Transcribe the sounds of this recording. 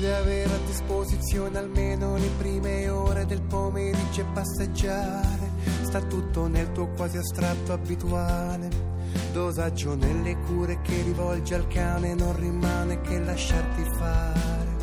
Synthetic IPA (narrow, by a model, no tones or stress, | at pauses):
d̪eaveɾad̪ːispozit̪sːjoːnealmeːnolepɾiːmeoːɾed̪elpomeɾid͡ʒepːasːed͡ʒːaːɾe | st̪at̪ːut̪ːonelt̪uːokwaːziast̪ɾat̪ːoabit̪uaː | le | d̪ozad͡ʒːonelːekuːɾekʰerːivɔld͡ʒealkaːnenonrimaːnekʰelːaʃːart̪ifaː | ɾe